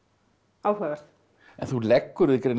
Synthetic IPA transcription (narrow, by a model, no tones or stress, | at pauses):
aːwɦɛɣaɾ̥θ | ɛnθulɛkːʏɾʏðɪkɾen